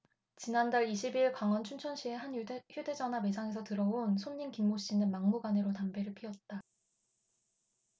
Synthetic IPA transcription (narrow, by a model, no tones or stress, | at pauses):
t͡ɕinandaɭiɕʰibiɭkwaŋʌnt͡ɕʰunt͡ɕʰʌnɕʰie̞ɦançjude̞d͡ʑʌname̞sʰaŋe̞s̬ʰʌtɯɾʌonsʰomɲinkimːoɕ͈inɯnmaŋmuɡanɯɾotambe̞ɾɯɭpʰiʌt̚t͈a